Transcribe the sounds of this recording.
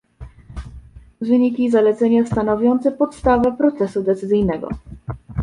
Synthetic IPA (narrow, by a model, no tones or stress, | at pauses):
vɘɲikʲizalɛt̪sɛɲast̪anɔvʲjɔnt̪sɛpɔt̪st̪avɛpɾɔt̪sɛsud̪ɛt̪sɘzɘjnɛɡɔ̰